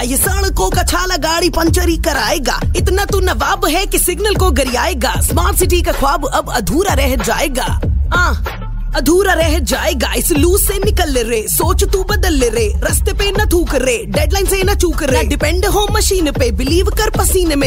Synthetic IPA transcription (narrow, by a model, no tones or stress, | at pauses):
ɐjɪsɐːɽ̃kokɐt͡ʃʰaːlaɡaːɽipɐɲt͡ʃəɾikɐɾaːeːɡa̰ːɪt̪nɐt̪unɐʋaːbɦɛkisɪɡnəlkoɡɐɾiaːeːɡaːsmaːɾʈsɪʈikakʰwaːbɐbɐd̪ʱuːɾaɾɛɦd͡ʒa̰ːeːɡa̰ːɦãː | ɐd̪ʱuːɾaɾɛɦəd͡ʒaːeːɡaːɪsluːsːenɪkəlːeɾeːsoːt͡ʃt̪ubɐd̪əlːeɾeːɾɐst̪epenɐt̪ʰuːkəɾeːɖeːɖlaːɪnsenɐt͡ʃuːkəɾːeɖɪpɛ̃ɳɖɦoːmːɐʃiːnpebɪliːʋkɐɾpɐsiːnmẽ